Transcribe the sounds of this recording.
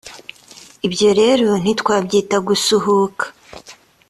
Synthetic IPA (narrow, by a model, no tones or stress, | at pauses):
ibjo̞ɾe̞ɾo̞n̥itkwaːbɟiːtaɡusuɦukḁ